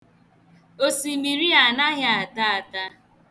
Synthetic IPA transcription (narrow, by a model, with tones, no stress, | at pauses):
o˦si˨mi˨ɾi˦a˨na˦ɦa˦a˨ta˦a˨ta˦